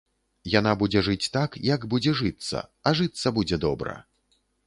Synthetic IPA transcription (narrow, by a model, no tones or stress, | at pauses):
janabud͡zʲɛʐɨt͡sʲt̪akjɐɡbud͡zʲɛʐɨt̪sːɐ̰ɐʐɨt̪sɐbud͡zʲɛd̪ɔbɾɐ̰